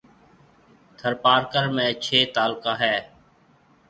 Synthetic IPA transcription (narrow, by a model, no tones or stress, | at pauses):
t̪ʰəɾpaːɾkəɾmẽːt͡ʃʰeːt̪aːlkaːɦɛː